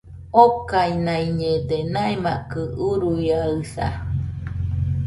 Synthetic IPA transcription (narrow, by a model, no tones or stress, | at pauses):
okainaiɲed̪enaemaʔkɯuɾujaɯsa̰